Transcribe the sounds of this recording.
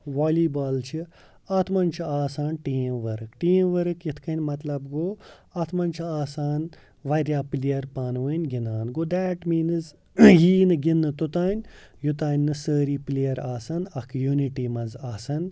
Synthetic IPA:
ʋɔːliːbɐːlt͡ʃʰi | ɐt̪ʰmɐnt͡ʃʰiaːsaːnʈiːmʋɐɾɨkʈiːmʋɐɾɨkjit̪ʰkʰɐnʲmɐt̪lɐbɡoːɐt̪ʰmɐnʲt͡ʃʰiaːsaːn | ʋɐɾʲjaːplijɐɾpaːnʋɨnʲɡinaːnɡoːd̪ɛːʈmiːnz | jiːnɨɡinːɨt̪ut̪aːnʲ | jut̪aːnʲːɨsəːɾiːplijɐɾaːsɐnɐkʰjuːniʈimɐnzaːsɐn

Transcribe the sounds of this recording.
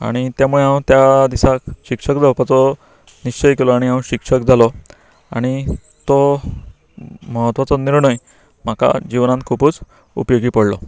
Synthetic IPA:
a̰ɽ̃it̪jamuɭeɦãw̃t̪jad̪isakɕikʂəkd͡zawpət͡sɔ | niɕt͡ɕəjkelɔaɽ̃iɦãw̃ɕikʂək̚d͡zalɔ | a̰ɽ̃i | t̪o | məɦət̪ʋat͡sɔniɾɳəj | m̤aka̰d͡ʑiʋnant̪̚kʰupuːt͡s | ṵpjoɡiːpəɽlɔ̰

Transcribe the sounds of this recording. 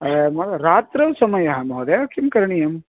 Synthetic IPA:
mɐlɐɾaːt̪ɾɐʋsɐmɐjɐɦɐmɐɦod̪eɐkʰimkɐɾɳijɐm

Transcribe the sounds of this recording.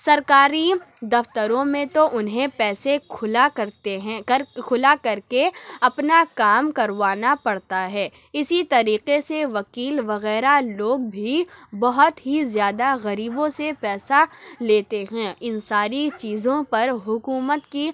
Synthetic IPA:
sɐɾkaːɾid̪ɐft̪əɾõmẽt̪oʔʊnɦẽpɛːselakɐɾt̪eɦɛ̃kʰʊlakɐɾkeɐpnakaːmkɐɾʋaːnapɐɽt̪aɦɛː | ɪsit̪ɐɾiːqeseʋɐkiːlʋɐɣɛːɾaloːɡ̚bʱibɐɦʊt̪ɦizjaːd̪aɣɐɾiːbõsepɛːsaleːt̪eɦɛ̃ɪnsaːɾit͡ʃiːzõpɐɾɦʊkuːmət̪ki

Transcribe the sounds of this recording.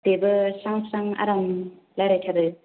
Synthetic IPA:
debɯsaŋsaŋa̰ɾam | lajɾajtʰaɾɯ

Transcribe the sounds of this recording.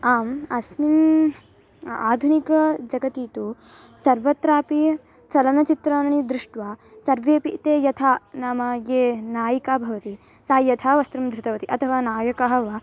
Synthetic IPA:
aːmɐsmin | a̰ːd̪ʱunikɐd͡ʒɐɡɐt̪iːt̪u | sɐɾʋɐt̪ɾaːpi | t͡ʃɐlɐnɐt͡ʃit̪ɾaːnɐɳid̪ɾɪʂʈʋaː | sɐɾʋeːpit̪eːjɐt̪ʰaːnaːmɐjeːnaːjikaːbʱɐʋɐt̪i | saːjɐt̪ʰaːʋɐst̪ɾumd̪ʱɾut̪ɐʋɐt̪iʔɐt̪ʰɐʋaːnaːjɐkɐɦɐʋɐ

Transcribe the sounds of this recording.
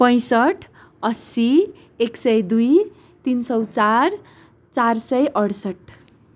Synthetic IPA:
pʌ̃j̃sʌʈʰ | ʌsi | eksʌjd̪uj | t̪insʌwt͡sar | t͡sarsʌjʔʌɽsʌʈʰ

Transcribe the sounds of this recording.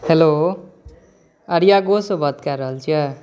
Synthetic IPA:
helo | ɐɾijaɡosobʱʌd̪̚kaɾʌɦlt͡sʰia

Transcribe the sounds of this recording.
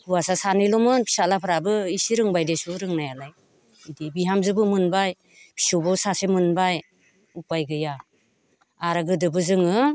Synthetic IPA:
uwasasanɯjlɔmɯnpʰi̥salapʰɯɾabɯisiɾɯŋbajdesuɾɯŋnajalaj | idibiɦamzɯbɯmɯnbaj | pʰi̥subɯsasemɯnbaj | upajɡɯja | aɾaɡɯdɯbɯzɯŋɯ

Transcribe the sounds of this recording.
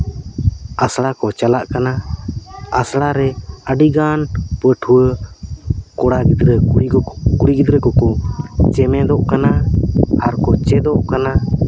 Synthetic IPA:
asɽakɔt͡ʃalaʔkana | asɽaɾɛəɖiɡanpəʈʰuə | kɔɽaɡid̪ɾə | kuɽiɡid̪ɾəkɔkɔt͡ʃɛmɛd̪ɔʔkanaaɾkɔt͡ʃɛd̪ɔʔkana

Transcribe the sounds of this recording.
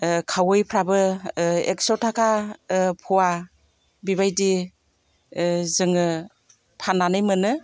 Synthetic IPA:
kʰawɯjpʰɾabɯeksɔtʰakʰapʰɔwa | biβajdi | zɯŋɯ | pʰanːanɯjmɯnɯ

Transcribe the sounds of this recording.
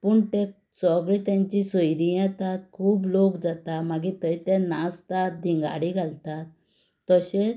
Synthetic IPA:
puɳt̪ɛ | t͡sɔɡɭit̪jãɲt͡ɕisəjɾijat̪at̪̚kʰuːblokd͡zat̪amaɡit̪əit̪ɛ̃nast̪at̪̚d̪ʱiŋɡa̰ɽiɡʱalt̪at̪ː | əɕe

